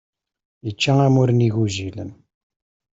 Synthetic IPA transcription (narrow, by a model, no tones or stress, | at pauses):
it͡ʃːæŋæmuɾniɣuʒilə̰n